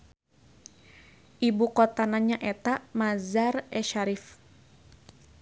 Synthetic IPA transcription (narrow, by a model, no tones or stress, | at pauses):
ʔibukɔt̪anaɲaʔɛt̪amazarɛʃaɾif